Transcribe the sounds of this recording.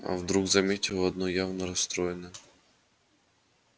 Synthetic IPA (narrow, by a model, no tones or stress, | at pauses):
ɐ̰wd̪ɾuɣzɐmʲitʲɔɔd̪nɔjɑwnɔɾɐst̪ɾɔjenɛ